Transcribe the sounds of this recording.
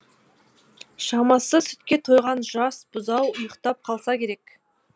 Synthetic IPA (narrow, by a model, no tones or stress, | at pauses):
ʃɑmɑsəsʏ̥t̪kʲet̪ʰo̞jʁɑnʒɑsb̥ʊzɑwʊjəqt̪ɑp̚qʰɑlˠsɑkʲʰe̞ɾek